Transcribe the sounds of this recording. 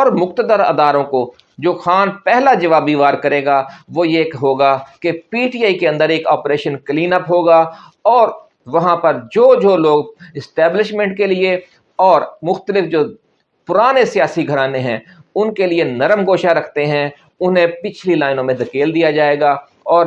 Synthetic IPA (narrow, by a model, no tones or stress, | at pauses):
ɔːɾmʊxt̪əd̪əɾɐ̰d̪aːɾõko | d͡ʒoːxaːnpɛɦlad͡ʒɐʋaːb̚d̪iːʋaːɾkɐɾeːɡaʋojekɦoːɡakepiːʈiːaːikeɐ̃nd̪əɾeːkɔːpɾeːʃənkliːnəpɦoːɡa | ɔːɾ | ʋɐɦãpɐɾd͡ʒoːd͡ʒoːloːɡɪsʈɛːblɪʃmɛ̃ɳʈ̚kelie | ɔːɾmʊxt̪əlɪfd͡ʒoː | pʊɾaːnesijaːsiɡʱɐɾaːneɦɛ̃ʊnkelienɐɾəmɡoːʃaɾɐkʰt̪eɦɛ̃ | ʊnɦẽpɪt͡ʃʰlilaːɪnõmẽd̪ɐkeːld̪ijad͡ʒaːeːɡaː | ɔːɾ